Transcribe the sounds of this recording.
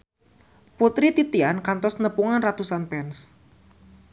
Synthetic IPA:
put̪ɾit̪it̪iankant̪ɔsnəpuŋanrat̪usanpɛns

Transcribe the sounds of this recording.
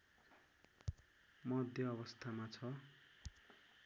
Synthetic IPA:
mʌd̪ʱjʌʌβʌst̪ʰamat͡sʰʌ

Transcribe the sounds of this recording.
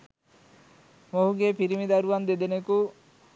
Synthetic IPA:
moɦuɡepiɾimid̪aɾuʋand̪ed̪eneku

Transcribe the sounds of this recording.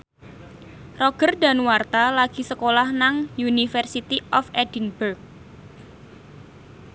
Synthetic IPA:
rɔɡ̥ərda̤nwart̪alaɡ̥i̤səkolahnaŋjunifərsit̪iʔɔfɛd̥inburk̚

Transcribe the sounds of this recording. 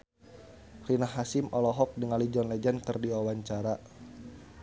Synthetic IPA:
rinahasimɔlɔɦɔk̚dəŋalid͡ʒɔnlɛd͡ʒankɨrdiwawaɲt͡ʃaɾa

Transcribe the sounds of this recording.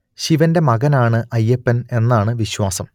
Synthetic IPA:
ɕiʋɐnde̞mɐɣɐnaːɳɨʔɐjːepːɐne̞nːaːɳɨʋiɕwaːsɐm

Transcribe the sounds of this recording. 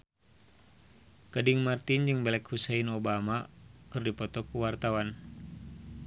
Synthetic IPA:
kədiŋmart̪ind͡ʒɨŋbɛlɛkhusɛinobamakɨrdipɔt̪ɔkuwart̪awan

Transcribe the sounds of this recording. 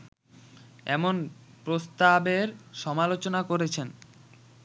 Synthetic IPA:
ɛmonpɾost̪abeɾʃɔmalot͡ɕonakoɾet͡ɕʰen

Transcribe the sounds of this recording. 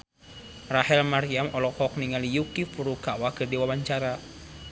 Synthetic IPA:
rahɛlmaɾiamɔlɔkɔk̚niŋalijukifuɾukawakərdiwawaɲt͡ʃaɾa

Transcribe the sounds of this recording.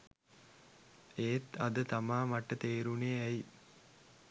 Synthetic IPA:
eːt̪ɐd̪ət̪amaːmɐʈːət̪eːɾuneæj

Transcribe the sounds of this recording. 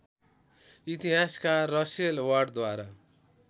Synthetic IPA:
it̪iɦaskarʌselwarɖd̪waɾa

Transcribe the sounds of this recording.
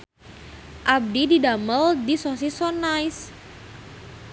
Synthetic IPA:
ʔab̚dididaməldisosisɔnajs

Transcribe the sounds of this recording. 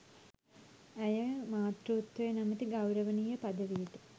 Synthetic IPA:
æjəmaːt̪ruːt̪wɐjenamət̪iɡawɾəʋənijəpad̪əʋijʈə

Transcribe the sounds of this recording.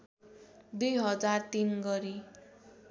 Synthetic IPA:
d̪ujɦʌd͡zart̪inɡʌɾi

